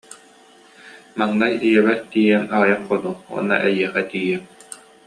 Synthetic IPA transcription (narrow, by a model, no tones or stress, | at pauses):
maŋnajijɛbɛtt̪iːjɛmaajaqχɔnuwɔ̰nːa̰ʔɛjiɛχɛt̪iːjɛm